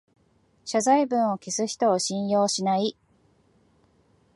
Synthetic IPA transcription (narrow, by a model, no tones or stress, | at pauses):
ɕazaibɯ̟̃ɰ̃o̞kisɨçi̥t̪o̞ːɕĩɰ̃jo̞ːɕinai